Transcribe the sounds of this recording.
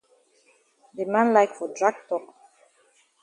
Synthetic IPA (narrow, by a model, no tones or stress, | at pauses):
demãnlaɪkfɔdɹaɡ̚tɔk